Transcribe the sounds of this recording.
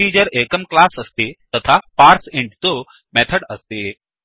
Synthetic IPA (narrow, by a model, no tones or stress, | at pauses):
iːd͡ʑəɾeːkəmklaːsɐst̪eːt̪ɐt̪ʰapaːɾsɪ̃ɳɖt̪o | mɛːt̪ʰəɽɐst̪eː